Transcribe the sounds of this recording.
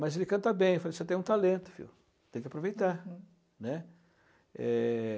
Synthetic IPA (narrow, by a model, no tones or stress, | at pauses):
mɐzelɪkɐ̃t̪ɐbẽj̃efaleset̪ẽj̃ũt̪alẽnt̪ʊ̥fḭw | t̪ẽj̃kapɾovejt̪aɾ | nɛ | ɛ